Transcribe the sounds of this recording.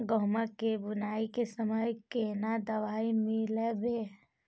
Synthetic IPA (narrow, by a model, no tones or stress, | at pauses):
ɡɔɦmakebʊnaːikesəməjkenad̪əʋaːimɪlebe